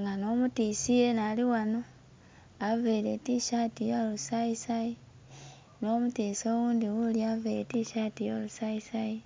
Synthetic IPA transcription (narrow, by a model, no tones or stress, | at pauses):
ŋɡano̞ːmutiːsijenaliwano | aveɾetiʃatijolusaisaji | no̞ːmutiːsoːwuːnd̪iwuliaveɾetiʃatijolusaisaji